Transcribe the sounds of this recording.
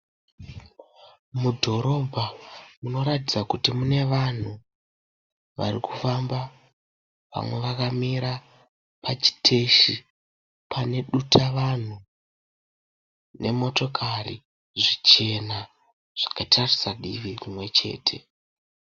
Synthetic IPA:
mudʱo̞ɾo̞bʱamuno̞ɾatid͡zakutimune̞ʋan̤u | ʋa̰rikufamba | ʋa̰mwe̞ʋakamiɾa | pat͡ʃi̥tʰe̞ʃi | pʰane̞ɗutʰaʋan̤u | ne̞̰mo̞to̞kʰarḭ | ʐit͡ʃe̞na | ʐ̥akatʰarisaɗḭʋirimwe̞t͡ʃe̞̰ːtʰe̞

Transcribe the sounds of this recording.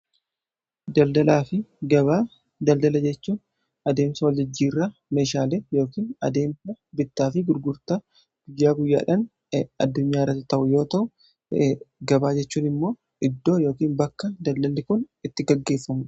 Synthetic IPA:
d̪ɐld̪ɐlaːfɪɡɐβaː | d̪ɐld̪ɐlɐd͡ʒɛt͡ʃːuːn | ɐd̪e̞ːmsɐwɐld͡ʒɪd͡ʒːiːrːame̞ːʃaːleːjo̞ːkiːnɐ̰d̪e̞ːmsɐbɪt̪ːaːfɪɡʊɾɡʊɾt̪ɐ | ɡ̥ʊjːaːɡʊjːa̰ːᶑɐn | ɐd̪ːʊɲːaːɪrːɐt̪ːɪt̪ɐʔʊjo̞ːt̪ɐʔʊ | ɡɐbaːd͡ʒɛt͡ʃːuːnɪmːo̞ː | ʔɪd̪ːo̞ːjo̞ːkiːnbɐkːɐd̪ɐld̪ɐlːɪkʊnɪt̪ːɪɡɐɡːe̞ːfːɐmʊᶑ

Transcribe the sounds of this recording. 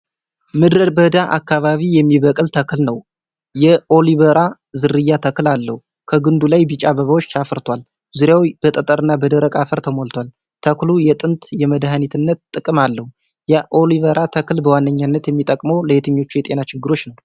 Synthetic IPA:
mɨd̪ɾəɾbəd̪aʔa̰kːaβaβijɛmːiβəkʼɨlt̪ʰəklnəw | jɛʔo̞liβəɾa | zɨɾɨjːat̪ʰəklalːə̰hu | kʰəɡɨnd̪ulajbɨt͡ʃʼaβəβawot͡ʃːt͡ʃʰafɾt̪ʰwal | zuɾjawib̥ət̪ʼət̪ʼəɾɨnːabəd̪əɾəkʼafəɾt̪ʰəmolt̪ʰwal | t̪ʰəklujɛt̪ʼɨnt̪ʼjɛməd̪hanit̪ʰɨnːət̪t̪ʼːɨkʼɨmalːəhu | jɛʔo̞liβəɾʔat̪ʰəklbəwanːəɲːanːət̪jɛmːit̪ʼəkʼməwləhet̪ʰəɲːo̞t͡ʃːujɛt̪ʼe̞nat͡ʃɪɡːɨɾo̞t͡ʃːnəw

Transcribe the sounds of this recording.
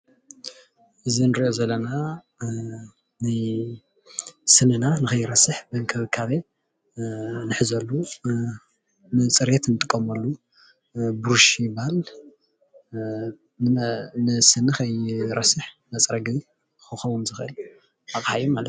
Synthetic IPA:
ʔɨzinɨɾiʔozɐlːɐna | naj | sɨnɨnanɨxɐjːɪɾɐsɨħbɨŋkʰɐβɨkʰaβe | nɨħɨzɐlːu | nɨt͡sʼɨɾjet̪nɨt̪ʼɨkʼːɐmɐlːu | bɾuʃibahal | nɨsɨnɨxɐjɾɐsɨħ | mɐt͡sʼɾɐɡɨ | xɨxɐβumzɨxʔɨl | ʔaχʼhajumalɐt̪

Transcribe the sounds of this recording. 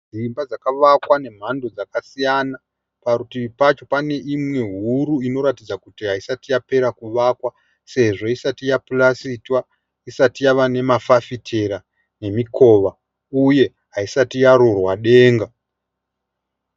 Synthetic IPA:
d͡zimbad͡zakaʋakwane̞m̤ando̞d͡zakasijana | paɾutipat͡ʃo̞pane̞ʔimwe̞ɦuɾuino̞ɾatid͡zakutiɦaisatijape̞ɾakuʋakwa | se̞ʐo̞isatijapulasitwa | isatijaʋane̞mafafitʰe̞ɾa | ne̞miko̞ʋa | uje̞ | ɦaisatijaɾorwaɗe̞ːŋɡa

